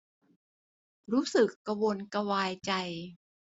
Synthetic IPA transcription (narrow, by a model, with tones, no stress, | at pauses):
ɾuː˦˥sɯ˨˩kːa˧wo˧nka˧waː˧jt͡ɕa˧j